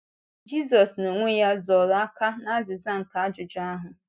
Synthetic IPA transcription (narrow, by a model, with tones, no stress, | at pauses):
d͡ʒi˦z̬ɔ˨sno˨ŋʷe˦ja˦zɔ˨ɾa˦ka˦na˦a˦zɪ˨za˦ŋ̩˨ka˨a˦d͡ʒʊ˨d͡ʒa˦ɦʊ˨